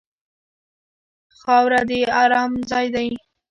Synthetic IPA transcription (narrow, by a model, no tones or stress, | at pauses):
xɑwɾad̪eɑɾɑmzɑjd̪aj